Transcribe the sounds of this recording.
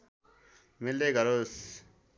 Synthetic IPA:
milːeɡʌɾos

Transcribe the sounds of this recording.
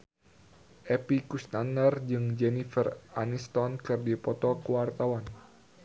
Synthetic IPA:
ʔɛpikust̪anərd͡ʒɨŋd͡ʒɛnifəranist̪ɔnkɨrdipɔt̪ɔkəwart̪awan

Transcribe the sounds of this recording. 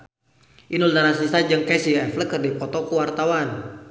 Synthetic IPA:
ʔinuld̪aɾasisad͡ʒɨŋkɛsiɛfləkɨrdipɔt̪ɔkəwart̪awan

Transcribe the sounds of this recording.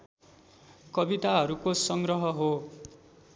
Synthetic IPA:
kʌbit̪aɦʌɾukosʌŋɡrʌɦʌɦo

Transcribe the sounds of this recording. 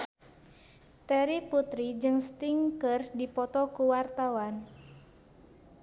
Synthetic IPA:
t̪ɛɾiput̪ɾid͡ʒɨŋst̪iŋkərdipɔt̪ɔkuwart̪awan

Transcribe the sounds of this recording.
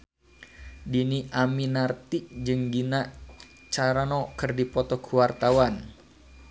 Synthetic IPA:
diniʔaminart̪iʔd͡ʒɨŋɡinaʔ | t͡ʃaɾanɔkɨrdipɔt̪ɔkʰuwart̪awan

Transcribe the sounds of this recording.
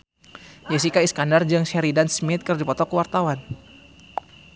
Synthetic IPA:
jɛs̬ikaiskandard͡ʒɨŋsɛɾidansmit̪̚kərdipɔt̪ɔkəwart̪awan

